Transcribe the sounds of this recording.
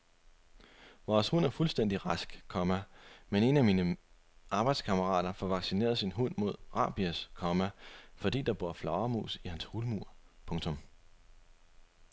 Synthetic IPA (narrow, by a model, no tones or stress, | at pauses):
ʋɒːshɔn̰æɐfulsd̥en̰d̥iʁɑsɡ̥kʰɒ̽mæmene̝næmiːnə | ʔɑ̈ːb̥ɑ̈ɪd̥skʰɑ̈məʁɑ̰̈ːd̥ɐfɒʋɑ̈ɡ̥sine̝̰ːɐðˠsinɦɔn̰mo̝ð̞̰ˠʁɑ̈ːb̥iæskʰɒmæfɒ̽d̥ḭːd̥ɑ̈b̥o̝ɐ̰flɑ̈ʊɐmṵːsihænshulmuɐ̰pʰɔ̽ŋt͡sʰɔ̽m